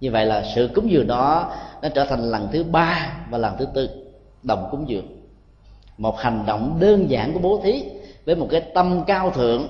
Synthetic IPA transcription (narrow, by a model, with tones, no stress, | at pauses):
ɲɨ˧və̰˧˨jlaː˨˩sɨ̰˧˨kʊ˨˦ŋ͡mzɨ˨˩ə˩n̚ɗɔ˨˦nɔ˨˦˥t͡ɕəː˧˩t̪ʰa˨˩ŋ̟la˨˩ŋt̪ʰɨ˨˦ɓaː˧vaː˨˩laː˨˩ŋt̪ʰɨ˨˦t̪ɨ˧ | ɗə̰˨˧˨wŋ͡mkʊ˨˦ŋ͡mzɨ˨˩əŋ̚ | mo˨˩t̚ha˨˩jŋ̟ɗo̰˧˨wŋ͡mɗəː˧nza̰ː˧˩nku˧˩əɓo˨˦t̪ʰi˨˦vəː˨˦jmo˨˩t̚kaː˨˦jt̪ə˧mkaː˧wt̪ʰɨ̰˧˨əŋ